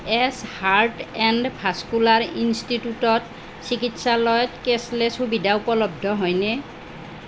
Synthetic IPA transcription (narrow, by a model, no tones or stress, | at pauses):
ɛshaɹʈɛndpʰaskulaɹinstitutɔt | sikitsalɔjɔtkeslɛsubidʱaupɔlɔb̚dʱɔɦɔjnɛ